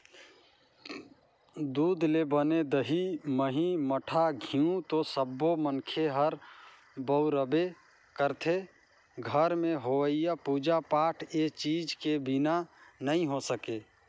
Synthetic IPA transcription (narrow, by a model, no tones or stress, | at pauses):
d̪uːd̪lebəned̪əɦiməɦiməʈʰaɡʱiũt̪osəbːomənkʰeɦəɾ | bəʊɾəbe | kəɾt̪ʰe | ɡʱəɾmẽɦoəijapud͡ʒapaʈʰet͡ʃid͡ʒkebinanəĩɦosəke